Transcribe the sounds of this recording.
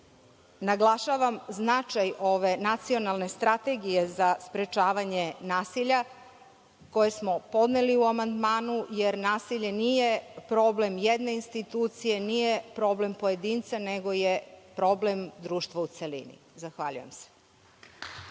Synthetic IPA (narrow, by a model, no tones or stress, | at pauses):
naɡlˠaʃaʋamznat͡ʃajoʋe̞nat̪sio̞nalˠne̞st̪ɾat̪e̞ɡije̞zaspɾe̞t͡ʃaːʋaɲe̞naːsiʎa | ko̞jesmo̞po̞d̪neliuamand̪maːnujeɾnaːsiʎe̞niːje̞pɾo̞ble̞mjed̪ne̞inst̪it̪uːt̪sije̞nijepɾo̞ble̞mpoje̞d̪iːnt̪sane̞ɡo̞jepɾo̞ble̞md̪ɾuːʃt̪ʋout̪selḭnḭzaxʋaʎṵje̞̰mse̥